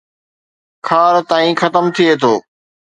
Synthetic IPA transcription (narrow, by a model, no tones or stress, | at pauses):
kʰaːɾt̪aːĩxɐt̪əmt̪ʰiet̪ʰoː